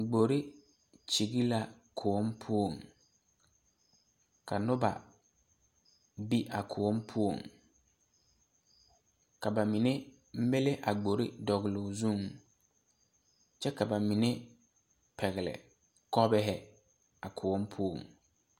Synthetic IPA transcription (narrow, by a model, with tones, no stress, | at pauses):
ɡ͡bo˨ɾi˦ | t͡ʃi˨ɡi˦la˦ | kʰʊ˨o˦mpʰu˦o˨ŋ | kʰa˨nʊ˦ba̰˨ | bi˦ʔa˨kʰʊ˨o˦mpʰu˦o˨ŋ | ka˨ba˨mi˨ne˦ | m̩˦be˦le˦ʔa˨ɡ͡bo˨ɾi˦dɔ˨ɣɪ˨lʊ˨zu˦˨ŋ | t͡ʃɛ˦ka˨ba˨mi˨ne˦ | pʰɛ˨ɣɪ˨lɛ̰˨ | kɔ˦bɛ˦ɦɛ˨ | a˨kʰʊ˨ɔ˦mpʰu˦o̰˨ŋ